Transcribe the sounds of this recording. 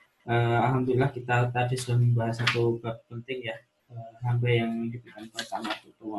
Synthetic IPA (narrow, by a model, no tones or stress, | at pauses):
ʔəalɦamd̪ulilahkit̪at̪adisudahməmbaɦasat̪ubap̚pənt̪ɪŋja | əɦambajaŋməd͡ʒubukanpərt̪amat̪ut̪uwan